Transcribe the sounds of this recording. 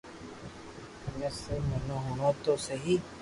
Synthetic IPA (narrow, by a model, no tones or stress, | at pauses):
mẽːsemɐnõɦonõːt̪oːseɦiː